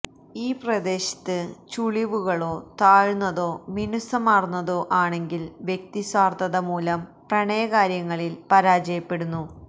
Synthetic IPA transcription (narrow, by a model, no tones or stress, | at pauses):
iːprɐd̪e̞ːɕɐ̥t̪ːɨt͡ɕuɭiʋuɣɐɭo̞ːt̪aːɻunːɐðo̞ːminusɐmaːrunːɐðo̞ːʔaːɳe̞ŋɡilʋje̞k̚t̪isʋaːrt̪ɐðɐmuːlɐmprɐɳɐjɐkaːɾjɐŋːɐɭilpɐɾaːd͡ʑɐjɐpːe̞ɽunːu